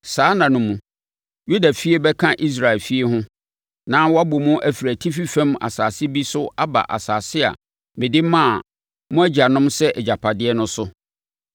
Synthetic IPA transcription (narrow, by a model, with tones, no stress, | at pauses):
saː˨˦nã˨nʊ̃˨mũ˨ | ju˦da˨fi˦e˦bɛ˦kʰã˦ʔi˦s̬ɾa˨ɛ˨lfi˦e˦hʊ̃˦ | nã˦wɔ˦a˦bo˨mũ˦ʔæ˨fi˨ɾæ˨tʰi˦fi˦fɛ̃˦ma̰˨saː˨sɪ˦bi˦sʊ˦a˦ba̰˨ʔa̰˨saː˨sɪ˦a̰˨ | mɪ̃˨dɪ˦mã˦˨ | mʊ̃˦æ˦d͡ʑa˨nʊ̃˦msɛ˦ʔɛ˨d͡ʑa˨pʰa˨dɪ˦ɛ˦nʊ̃˦sʊ˦